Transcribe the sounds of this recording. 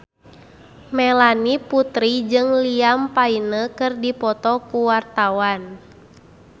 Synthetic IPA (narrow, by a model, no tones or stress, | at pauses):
mɛlaniput̪ɾid͡ʒɨŋliampainəkɨrdipɔt̪ɔkuwart̪awan